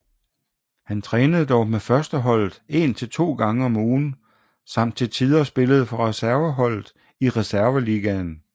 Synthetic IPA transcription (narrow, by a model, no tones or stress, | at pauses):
hænt͡sʰʁɛːnəð̞ˠd̥ɒʊmefɶɐsd̥əɦɒ̽l̰ð̩ˠe̝nt͡sʰe̝lt͡sʰo̝̰ːɡ̥ɑ̈ŋəɒ̽muːn̩ | sɑ̈m̰d̥̚t͡sʰe̝t͡sʰið̞ˠɐsb̥e̝ləð̞̩ˠfɒ̽ʁɛsæɐʋəɦɒ̽l̰ð̩ˠ | iʁɛsæɐʋəliːɡ̥æn